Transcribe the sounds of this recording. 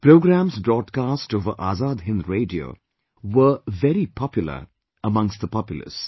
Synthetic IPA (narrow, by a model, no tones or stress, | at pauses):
pɾoːɡɾæ̃msbɾɔːɖkasʈovəʔaːzaːd̪ɦɪ̃nd̪ɾeːdio̰ | wəvɛɾipʰɔpjulə̰ | əmʌ̃ŋstðəpɔpjṵlə̰s